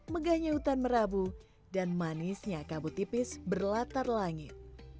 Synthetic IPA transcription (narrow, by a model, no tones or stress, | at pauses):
məɡahɲaut̪anməɾabu | danmanɪsɲakabut̪ipɪsbərlat̪arlaŋɪt̪̚